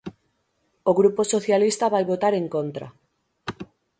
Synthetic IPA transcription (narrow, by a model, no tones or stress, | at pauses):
oɣɾuposoθjalist̪aβajβot̪aɾeŋkont̪ɾa̰